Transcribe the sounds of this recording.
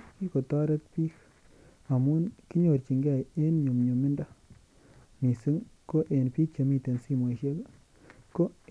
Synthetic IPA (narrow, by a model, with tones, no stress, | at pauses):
ki˦ko˨ta˦ɾe˦t̚pi˦k | a˨mu˦nki˦ɲo˨ɾt͡ʃi˨ŋɡa˨je˦nɲo˨mɲo˨mɪ˦nda˦ | mi˨sɨ˦ŋko˦ʔe˨npi˦k̚t͡ʃe˨mi˦˨te˨nsi˦mwo˨ʃe˦k | ko˦